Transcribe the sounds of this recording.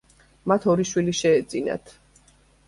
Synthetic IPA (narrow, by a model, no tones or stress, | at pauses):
mat̪ʰɔɾiʃwiliʃɛːt̪zʼina̰t̪ʰ